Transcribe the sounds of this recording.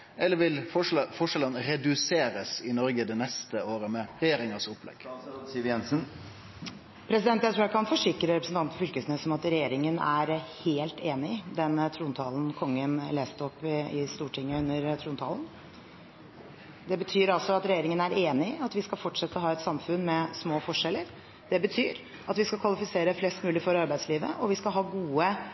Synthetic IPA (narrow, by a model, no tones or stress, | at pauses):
ɛlːəɾʋɪlfɔʂɛlənɾɛd̪ʉseːɾəsɪnɔɾɡəd̪ɛnɛst̪əoːɾəmɛɾɛjeːɾɪŋəsʊpːlɛ̰ɡ̥jɛnsn | pʰɾɛs̬ɪd̪ɛnt̪jæɪt̪ʰɾuːækʰɑnfɔʂɪkɾəɾɛpɾəsn̩t̪ɑnt̪fɔfʏlkəsnøːsɔmɑt̪ɾɛjeːɾɪŋənæɾheːlt̪ʰeːnɪd̪ɛnt̪ʰɾuːnt̪ʰɑːln̩kʰɔŋːənleːst̪əɔpːɪɪst̪uːʈʰɪŋːəʉnːəɾt̪ʰɾuːnt̪ʰɑ̰ːlən | d̪ɛbət̪ʰyːɾɑlsɔɑt̪ɾɛjeːɾɪŋənæɾeːnɪɑt̪ʋɪskɑlfɔʈʂɛt̪ːəɔɦɑːɛt̪sɑmfʉnmɛsmoːfɔʂɛlːəɾ | d̪̥ɛbət̪ʰyːɾ | ɑt̪ʋɪskɑkʰʋɑlɪfɪseːɾəflɛst̪mʉːlɪfɔɾɑɾbæɪd̪sliːʋə̰ʔɔʋɪskɑɦɑːɡuːə